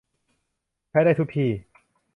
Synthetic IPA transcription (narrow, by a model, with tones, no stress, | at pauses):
t͡ɕʰa˦˥jɾaː˥˩t̪ʰu˦˥k̚pʰiː˧˩